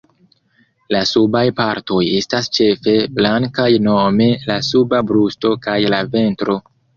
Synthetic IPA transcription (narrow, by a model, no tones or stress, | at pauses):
lasubajpaɾto̞je̞stast͡ʃe̞fe̞blaŋkajno̞me̞lasubabɾusto̞kajlave̞ntɾo̞